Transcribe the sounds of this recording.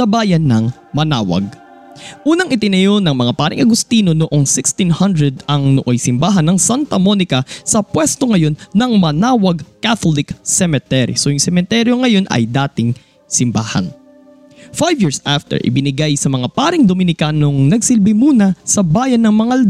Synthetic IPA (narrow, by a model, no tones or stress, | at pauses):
sɐbaːjɐnːɐŋ | mɐna̰ːwɐ̰ɡ̚ | ʔuːnɐŋʔɪt̪ɪnɐjonɐŋmɐŋapaːɾɪ̰ŋʔɐɡʊst̪iːno̞noʔo̞ŋsɪkst̪inhɐnd̪ɹɛd̪ɐŋnoʔojsɪmbaːɦɐnːɐŋsant̪ɐmo̞nɪkɐsɐpwɛst̪o̞ŋɐjo̞nːɐŋmɐnaːwɐɡkaθolɪksɛmɛt̪ɛɾḭsojʊŋsɛmɛnt̪ɛɾjo̞ŋɐjo̞nʔɐ̰jd̪aːt̪ɪŋ | sɪmbaːhɐ̰n | fajvjiɹsʔaft̪ɛ̰ɹʔɪ̰bɪnɪɡajsɐmɐŋapaːɾɪŋd̪omɪnɪkaːno̞ŋnɐɡsɪlbɪmuːnɐsɐbaːjɐnːɐŋmɐŋaɐld̪